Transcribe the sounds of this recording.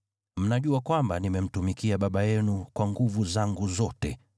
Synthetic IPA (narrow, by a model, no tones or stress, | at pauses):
m̩naʄuakwambanimɛm̩tumikiaɓaɓajɛnukwaŋɡuvuzaŋɡuzɔtɛ